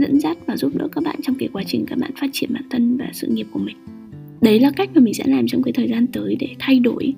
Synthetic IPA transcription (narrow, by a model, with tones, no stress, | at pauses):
zə̰˧˥nzaː˦˥t̚vaː˨˩zu˦˥p̚ɗɨ̰ː˧˥kaː˦˥k̚ɓa̰ː˧˨nt͡ɕɔ˧wŋ͡mkaː˨˦jkwaː˨˦t͡ɕï˨˩ŋ̟kaː˦˥k̚ɓa̰ː˧˨nfaː˦˥t̚t͡ɕi˧˩ənɓa̰ː˧˨nt̪ʰə˧nvaː˨˩sɨ̰˧˨ŋi˨˩əp̚ku˧˩əmï˨˩ŋ̟ | ɗə˨˦jlaː˨˩ka˦˥k̚maː˨˩mï˨˩sɛ̰˧˥laː˨˩mt͡ɕɔ˧wkaː˨˦jt̪ʰəː˨˩jzaː˧nt̪əː˨˦jɗe˧˩t̪ʰa˧jɗo˧˩j